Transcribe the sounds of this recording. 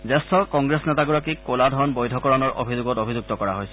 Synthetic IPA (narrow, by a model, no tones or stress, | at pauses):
zɛstʰɔkɔŋɡɹesnɛtaɡuɹakikoladʱɔnbojdʱɔkɔɹanɔɹʔo̰bʱizʊɡɔtobʱizuɡ̚tɔkɔɹaɦojsɛ